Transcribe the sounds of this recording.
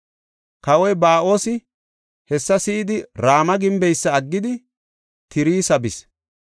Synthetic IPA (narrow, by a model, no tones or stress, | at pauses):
kɐwɔjbaːʔo̞ːsɪ | hɛsːɐsɪːd̪ɪɾaːmɐɡɪmbɛjsːɐːɡːɪd̪ɪ | t̪ʰɪɾiːsɐbɪs